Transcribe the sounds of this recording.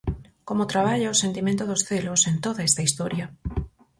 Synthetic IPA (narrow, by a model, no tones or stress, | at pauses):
komot̪ɾaβ̞aʎaosent̪imẽnt̪oðosθelosent̪oðaest̪aist̪oɾjɐ